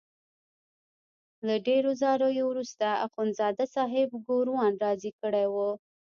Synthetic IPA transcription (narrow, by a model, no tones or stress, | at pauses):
laɖeɾozɑɾojowɾust̪aa̰qonzɑd̪asɑɦɪbɡoɾwɑnɾɑzikəɽewo